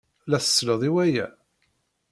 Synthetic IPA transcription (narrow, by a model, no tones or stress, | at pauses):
læθə̥sːləðˤiwæjæ̰